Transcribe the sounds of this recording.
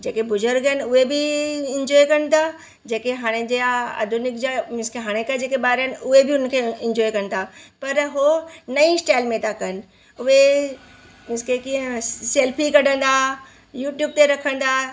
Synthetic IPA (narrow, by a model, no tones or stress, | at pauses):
d͡ʑeːkebʊd͡ʒəɾɡənʊɦebʱiɪ̃ɲd͡ʒɔːjkɐñt̪a | d͡ʑeːkeɦaːɽ̃ed͡ʑeaə̰d̪ʱʊnɪkd͡ʑamɪskeɦaːɽ̃ekad͡ʑeːkebaːɾənɪʊɦebʱiʊnkʰeɪ̃ɲd͡ʑɔːikɐñɪt̪ʰapɐɾɦonɐĩɪsʈaːɪlmẽt̪akɐnɪ̆ | ʊɦe | mɪskekiə̃seːlpʰikɐɽə̃nd̪aː | juːʈjuːb̚t̪eɾɐkʰə̃nd̪aː